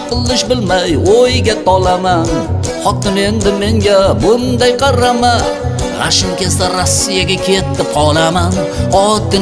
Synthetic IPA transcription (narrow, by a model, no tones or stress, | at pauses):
qɨlˠːɪʃbɪlmajojɡʲat̪ʰɒlaman | χɒt̪ɪne̞nd̪ɪme̞ŋɡʲabʊnd̪ajqʰɑɾama | ʁɑ̰ʃɪmkʲʰesd̪aɾosːijaɡʲakʲʰe̞t̪ʰːɪpʰɒlˠaman | ɒt̪ːɪ